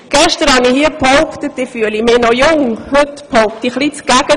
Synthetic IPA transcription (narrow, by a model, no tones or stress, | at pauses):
ɡ̥ɛʃtəɾhɑnihiəpʰɔʊkt̪ətɪfyəlimeːnɔjʊŋhɵtpʰɔʊkt̪iχlit͡sɡ̥æɡ̥ə